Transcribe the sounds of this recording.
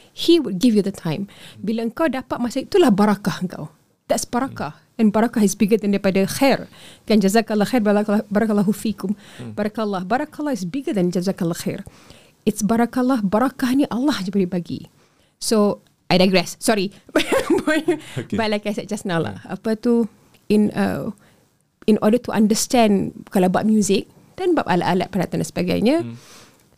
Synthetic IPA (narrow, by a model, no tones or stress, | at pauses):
hiwud̚ɡivjud̪ətʰãj̃mbilaəŋkawdapat̪̚masait̪ulahbaɾakahəŋka̰w | d̪̥ɛtsbaɾakah | ɛ̃nbaɾakahɪsbiɡəd̪ɛ̃ndaɾipadaxɛrkãnd͡ʒazakalːaxɛɾbaakbaɾakalaɦufikʊmbaɾakːlːahbaɾakalːɑhɪsbiɡəd̪ɛ̃nd͡ʒazakalaxɛ̰r | ɪtsbaɾakalːɑɦbaɾakahniʔalːɑhd͡ʒəbəɾibaɡḭ | so | ʔajdajɡɹɛsːɔɾibbɔbbalakajsɛt̚d͡ʒasnala̰a̰pət̪u | inə̰ | inʔɔ̰dət̪uʔã̰ndəstɛ̃nkalawba̰p̚mjuzɪk̚ | d̥ɛnbap̚a̰laʔala̰t̪̚pəɾat̪andansəbaɡa̰jɲa